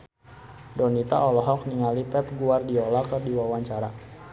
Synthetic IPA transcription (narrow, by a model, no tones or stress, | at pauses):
dɔnit̪a̰ʔɔlɔɦɔk̚niŋalipɛpɡuardiɔlakərdiwawaɲt͡ʃaɾa